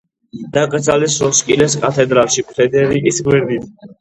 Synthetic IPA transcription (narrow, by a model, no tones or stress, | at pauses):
d̪̥akʼd̪zalisɾɔskʼilɛskʼat̪ʰɛd̪ɾalˠʃipʰɾɛd̪ɛɾikʼisɡwɛɾd̪it̪ʰ